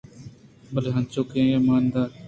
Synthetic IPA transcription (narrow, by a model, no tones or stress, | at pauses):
bəleːɦãːnt͡ʃoːkẽːjaːmaːnd̪aː